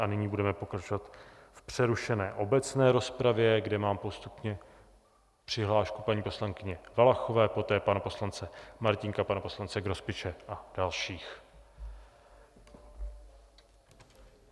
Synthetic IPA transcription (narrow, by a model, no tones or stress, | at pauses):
ʔanɪɲiːbudɛmɛpo̞kɾat͡ʃo̞vat̪fpr̝̥ɛɾuʃɛnɛːʔo̞bɛt͡snɛːɾo̞spɾavjɛɡdɛmaːmpo̞st̪upɲɛ | pr̝̥ɪɦlaːʃkupaɲiːpo̞slaŋkɪɲɛvalaxo̞vɛːpo̞t̪ɛːpanapo̞slant͡sɛmaɾcɪŋkapanapo̞slant͡sɛɡɾo̞spɪt͡ʃɛʔad̥alʃiːx